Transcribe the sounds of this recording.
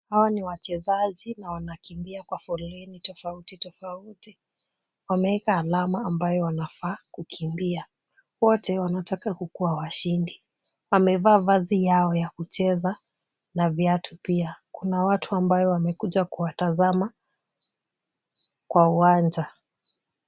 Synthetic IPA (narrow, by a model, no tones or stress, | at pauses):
hawaniwat͡ʃɛzaʄinawanakimbiakwafɔlɛnitɔfautitɔfauti | wamɛɛkaːlamaːmbajɔwanafaːkukʰimbia | wɔtɛwanatakakukuawaʃindi | wamɛvaːvazijaɔjakut͡ʃɛza | navjatʰupiakunawatʰuambajɔwamɛkuʄakuwatazama | kwauwand͡ʒa